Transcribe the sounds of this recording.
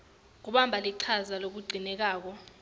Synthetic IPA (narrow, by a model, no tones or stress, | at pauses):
ŋ̬uɓambʱaliǀʰazalok̬uɡ͡ǀʱinɛk̬aːk̬ɔ